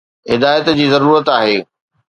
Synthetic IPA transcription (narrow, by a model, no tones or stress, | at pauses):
ɦɪd̪aːjət̪d͡ʑiːzɐɾuːɾət̪aːɦeː